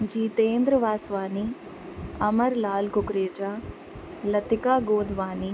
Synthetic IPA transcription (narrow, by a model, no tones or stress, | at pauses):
d͡ʒiːt̪eːnd̪ɾɐʋaːsʋaːni | ɐmɐɾlaːlkukɾeːd͡ʒaː | lɐt̪ikaːɡoːd̪ʱʋaːni